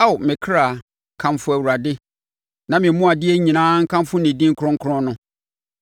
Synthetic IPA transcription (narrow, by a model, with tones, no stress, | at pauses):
a˦˨wmɪ̃˨kʰɾa˨ | kʰã˨mfʊ˦æ˨wu˨ɾa˨dɪ˦ | nã˨mɪ̃˨˦mʊ̃˦a˨dɪ˦ɛ˦ɲĩ˨nãː˦ŋ̩˦kʰã˦mfʊ˦nɪ̃˨dĩ˦ŋ̩˦kʰɔ̃˦ŋ̩˦kʰʊ˦ɾɔ̃˦nʊ̃˦